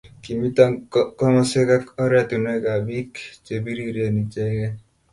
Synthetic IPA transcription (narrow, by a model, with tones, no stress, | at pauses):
ki˨mi˦ta˦ŋkɔ˦mɔ˦se˦ka˦kɔ˦ɾa˦t̪u˨nɛ˦ka˨bi˦kt͡ʃe˨bi˦ɾi˦ɾje˨ni˨t͡ʃɛ˦ɡɛ˦